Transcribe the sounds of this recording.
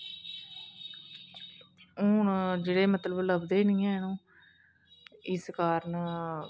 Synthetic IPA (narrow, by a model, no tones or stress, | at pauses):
ʊɳd͡ʒeːɽeːmət̪ləbləbd̪eːnĩːɛ̃ːnũː | ɪskaːɾən